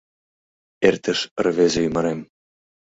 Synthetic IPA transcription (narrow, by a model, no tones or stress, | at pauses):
ert̪ɘ̆ʃɤ̆rvezĕymɤ̆ɾem